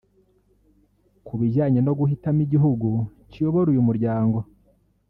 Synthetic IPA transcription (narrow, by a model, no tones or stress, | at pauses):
kuβiʒaːɲeno̞ɡuhitamiɟiɦuɡu | cijo̞βo̞ɾujumuɾɟaːŋɡo̞